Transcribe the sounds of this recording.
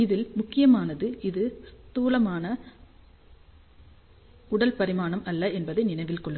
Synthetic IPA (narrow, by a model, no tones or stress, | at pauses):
ɪðɪlmʊkːɪjɐmaːnɐðɯʔɪðɯst̪uːlɐmaːnɐ | kʊɽɐlpɐɾɪmaːɳɐmɐlːɐɛnbɐðɐɪnɪnɐɪʋɪlkɔɭːɯ